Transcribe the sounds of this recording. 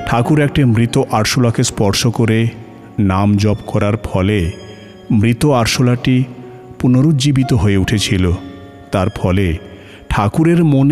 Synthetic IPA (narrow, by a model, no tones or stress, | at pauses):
ʈʰakuɾɛk̚ʈimɾit̪oʔaɾʃolakespɔɾʃokoɾe | namd͡ʑɔbkɔɾaɾfʰɔle | mɾit̪oaɾʃolaʈi | punoɾud͡ʑibit̪oɦoeuʈʰet͡ɕʰilo | t̪aɾfʰɔle | ʈʰakuɾeɾmon